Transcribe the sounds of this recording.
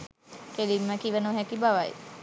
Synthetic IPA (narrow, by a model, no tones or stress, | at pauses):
kelimːəkiʋənuɦɛkibaʋaj